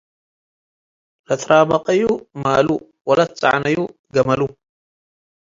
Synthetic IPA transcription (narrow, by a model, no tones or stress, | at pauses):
lɐt̪ʰɾʔaːbɐqʼɐjumalu | wɐlat̪t͡sʼa̰ʕnɐju | ɡɐmɐlu